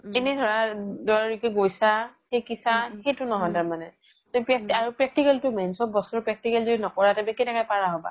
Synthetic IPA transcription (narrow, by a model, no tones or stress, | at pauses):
ɛnɛdʱɔɹadɔɹaɹikɛɡojsaxejkisaxejtʊnɔɦɔjtaɹmanɛ | topɹɛk̚taɹupɹɛk̚tikɛltʊmɛnsɔbɔsɔɹpɹɛk̚tikɛlzoinɔkɔɹatabɛkɛnɛkajpaɹaɦɔba̰